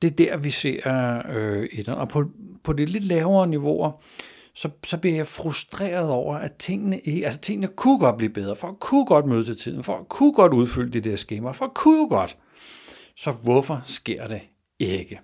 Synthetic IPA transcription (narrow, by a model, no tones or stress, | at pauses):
d̥e̝d̥æɐ̰ʋise̝ːɐ̰øid̥enʔɒ̽pʰɒ̽pʰɒ̽dile̝d̥lɛːʊɐːniʋo̝ɐ | sɒ̽sɒ̽b̥liɐjɑ̈ɪfʁusd̥ʁɛ̰ːɐð̩ˠɒʊ̰ɐʔæt͡sʰe̝ŋ̰nəʔe̝ælsə̥t͡sʰe̝ŋ̰ənəkʰuɡ̥ɒ̽d̥̚b̥lḭːb̥eð̞ˠʁɐfɒ̽ækʰuɡ̥ɒ̽d̥møːð̞ˠt͡sʰe̝lt͡sʰið̞̰ˠn̩fɒ̽ækʰuɡ̥ɒ̽d̥uð̞ˠfyl̰əd̥id̥eɐsɡ̥eːmɐfɒ̽kʰujoɡ̥ɒ̽d̥ | sɒ̽ʋɔfɒ̽sɡ̥e̝ɐ̰d̥e̝ | eɡ̥ə